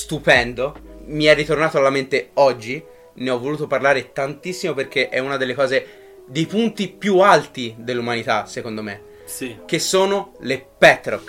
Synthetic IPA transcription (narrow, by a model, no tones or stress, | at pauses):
st̪upɛnd̪omiɛrːit̪ornaːt̪oalːament̪eɔd͡ʒːi | neɔvːoluːt̪oparlaːɾet̪ant̪isːimoperk̟eʔɛunad̪elːekɔːze | d̪ejpunt̪ipjualt̪id̪elːumanit̪asːekond̪ome | k̟esːoːnolepɛt̪ːɾok